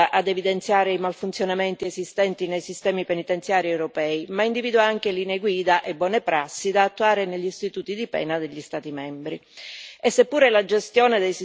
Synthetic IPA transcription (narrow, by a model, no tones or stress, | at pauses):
ʔad̪evid̪ent̪sjaːɾeimalfunt̪sjonament̪iezist̪ɛnt̪inejsist̪ɛːmipenit̪ent̪sjaːɾiewɾopɛːimaind̪iviːd̪waaŋk̟eliːneeɡwiːd̪aʔebːwɔːnepɾasːid̪aːt̪ːuaːɾeneʎːist̪it̪uːt̪id̪ipɛ̰ːnad̪eʎːist̪aːt̪imɛmbɾiesːepːuːɾelad͡ʒest̪jɔːned̪ejsi